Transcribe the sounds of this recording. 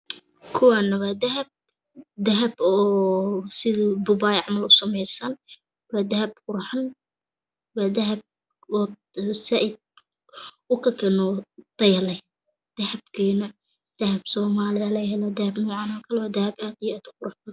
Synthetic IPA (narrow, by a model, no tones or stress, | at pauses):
kʰʊwaːnɐwaːd̪ɐɦɐb̚ | d̪ɐɦɐbɔːsɪðb̪ʊbaːjʕɑmɐlʊsɐmɛjsɐn | waːd̪ɐhɐb̚qʊɾħan | waːd̪ɐɦɐb̚ | ɔː | saʔɪd̪̚ | ʊkʰɐkʰɛnɔt̪ɐjlɛ | d̪̥ɐhɐbkʰiːnɐ | d̪̥ɐhɐbsɔːmaːlɪɐlɛhɛlɐd̪ɐhɐbnɔːʕɑnɔkʰɐlɛwaːd̪ɐhɐbaːd̪ɪjaːd̪ʊqʊɾʊħbɐ